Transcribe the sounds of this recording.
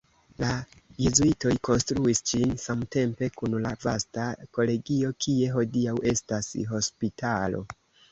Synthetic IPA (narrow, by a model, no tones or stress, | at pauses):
lajuzuito̞jko̞nstɾuisd͡ʒinsamte̞mpe̞kunlavastako̞le̞ɡio̞kʰie̞ɦo̞diawe̞stasɦo̞spitʰalo̞̰